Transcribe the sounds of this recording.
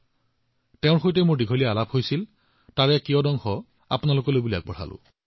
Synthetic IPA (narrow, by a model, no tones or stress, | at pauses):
tɛʊ̃ɹxojtɛmʊɹdiɡʱolijaalaphojsil | taɹɛkijɔdɔŋxɔ | a̰pnalokɔlojbulia̰k̚bɔɹ̤a̰lʊ̰̃